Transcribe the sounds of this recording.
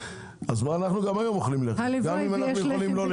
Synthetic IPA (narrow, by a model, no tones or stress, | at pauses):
azmaːnaχnuɡamajo̞moχlimleɡamimanaχnujeolimlol